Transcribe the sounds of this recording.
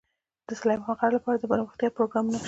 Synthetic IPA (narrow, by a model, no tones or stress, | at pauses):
d̪̥əsalɑjmhalqɑɾlapɑɾad̪əbaɾwəxt̪jɑpɾoɡɾɑmuno